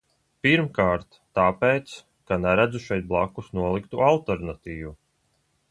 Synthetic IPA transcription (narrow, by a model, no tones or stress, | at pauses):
piɾmkaːɾt̪ːaːpejt̪s | kanɛɾæd̪zuʃɛjt̪̚blˠakːusnuɔlˠikt̪ualˠt̪ɛɾnat̪iːvu